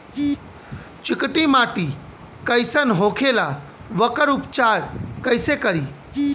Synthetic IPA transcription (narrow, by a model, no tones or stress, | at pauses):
t͡ʃɪkʈimaːʈiː | kəjsənɦoːkʰela | ʋɐkəɾʊpt͡ʃaːɾkəjsekəɾiː